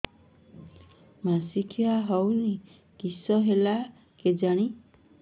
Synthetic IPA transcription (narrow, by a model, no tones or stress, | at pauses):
masikʰiaɦɔwni | kisɔɦela | ked͡ʒaɽ̃i